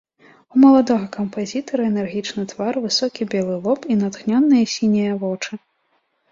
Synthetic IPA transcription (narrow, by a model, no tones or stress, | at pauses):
umɐlˠad̪ɔɣɐkɐmpazʲit̪ɐɾɐɛnɛrɣʲit͡ʂnɨt̪varvɨsɔkʲibʲɛlˠɨlˠɔpinɐt̪xnʲanːɨjɐsʲinʲɛjɐvɔt͡ʂɨ